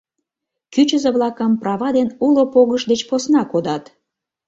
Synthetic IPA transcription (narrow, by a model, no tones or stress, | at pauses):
kyt͡ɕəzeβlɑkəmprɑβɑd̪enulopoɣəʃd̪et͡ɕposnɑkod̪ɑt̪